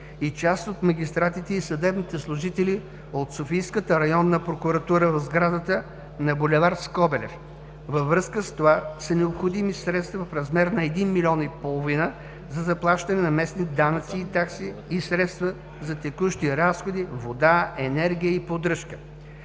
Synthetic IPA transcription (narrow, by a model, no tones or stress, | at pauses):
it͡ʃast̪ot̪mɐɡʲist̪ɾat̪it̪ɛisɐd̪ɛbnit̪ɛslˠʊʒit̪ɛli | ot̪sofijskət̪əɾɐjɔnːɐpɾokuɾɐt̪uɾəvɐvzɡɾad̪ət̪ə | nɐbolʲɛvaɾskɔbɛlɛf | vəvɾɤskəst̪ovasənɛopxod̪imisɾɛt̪st̪vɐfɾɐzmɛɾnɐɛd̪inmilʲɔnipolˠovinə | zɐzɐplˠaʃt̪ɐnɛnɐmɛsniɛd̪anət̪siːt̪aksiːsɾɛt̪st̪və | zɐt̪ɛkuʃt̪iɾasxod̪ivod̪aɛnɛɾɡʲijəipod̪ɾɤʃkə̥